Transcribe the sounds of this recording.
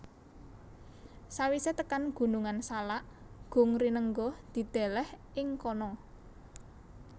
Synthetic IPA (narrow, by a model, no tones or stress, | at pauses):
sawiset̪əkanɡ̥ṳnuŋansalaʔ | ɡ̥o̤ŋɾinəŋɡɔd̪̥i̤d̪̥ɛ̤lɛhʔɪŋkɔnɔ